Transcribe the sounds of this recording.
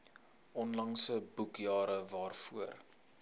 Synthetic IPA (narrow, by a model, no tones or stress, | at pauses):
ʔɔnlɐŋsəbukjɑːɾəvɑːrfuər